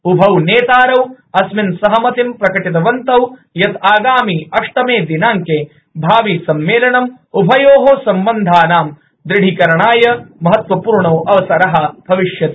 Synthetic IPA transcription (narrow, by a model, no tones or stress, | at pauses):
ubʱɐwneːt̪aːɾɐw | ɐsminsɐɦɐmɐt̪impɾɐkɐʈit̪̬ɐʋɐnt̪ɐwjɐt̪aːɡaːmiɐʂʈɐmeːd̪inaːŋkeː | bʱaːʋisɐmːeːlɐɳɐm | ubʱɐjoːɦoːsɐmbɐnd̪ʱaːnaːm | d̪ɾɪɽʱikɐɾɐɳaːjɐmɐɦɐt̪ʋɐpuːɾɳoːʔɐʋɐsɐɾɐɦɐb̥ʱɐʋiʂjɐt̪